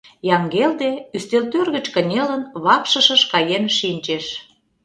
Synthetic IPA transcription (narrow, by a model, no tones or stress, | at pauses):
jɑŋɡeld̪eyst̪elt̪ørɣə̆t͡ɕkə̆nʲelənβɑkʃəʃə̆ʃkɑjemʃinʲt͡ɕeʃ